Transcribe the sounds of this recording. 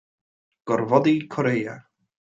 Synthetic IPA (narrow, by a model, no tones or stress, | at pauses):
ɡ̥ɔrvɔdikʰɔɾeja̰